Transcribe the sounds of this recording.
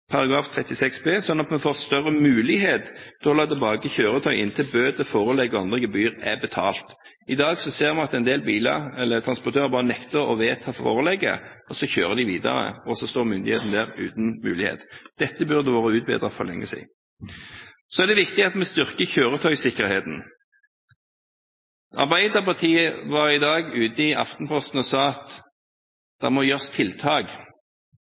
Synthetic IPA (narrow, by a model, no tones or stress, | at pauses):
pʰɑɾɑɡɾɑːft̪ʰʁɛt̪ːɪsɛksbʰeːsɔnːɑt̪mɛnfoːʁst̪œɾəmʉːlɪɦeːt̪d̪ɛɔlɑːt̪ɛlbɑːɡəçøːɾət̪ʰœʏʔɪ̰nt̪ʰɪlbøːd̪əfoːʁəlɛɡəɑnd̪ʁəɡəbyːʁɛbɛt̪ʰɑːlt̪ | ɪd̪ɑːɡsɔseːʁmɑnɑt̪ɛɪnd̪eːlbiːlɑ̰ɾɛlːət̪ʰɾɑnspɔɾt̪ʰøːʁəbɑːʁənɛkt̪əɾɔ̰ʋeːt̪ʰɑfo̰ːɾəlɛɡə̰ɔsɔçøːʁəd̪ɪʋiːd̪ɑ̰ɾə̰ɔsɔst̪oːʁmʏnd̪ɪheːt̪n̩d̪æːʁʉ̰ːt̪nmʉ̰ːlɪhḛːt̪d̪̥ɛt̪ːəbʉʁd̪əʋoːʁəʉːt̪̚bḛːd̪ʁɑfɔʁlɛŋːəsḭː | sɔɛʁd̪ɛʋɪkt̪ɪɑt̪mɛst̪ʏʁkəçøːʁət̪ʰœʏsɪkːəɾheːt̪n̩ | ɑ̰ʁbæɪd̪əʁpɑʁt̪ʰiːəʋɑɾɪd̪ɑːɡʉːt̪əɪʔɑ̰ft̪npʰɔst̪n̩ɔsɑːɑt̪ | d̪̥ɛ̰mɔjøːʁst̪ʰɪlt̪ʰɑːɡ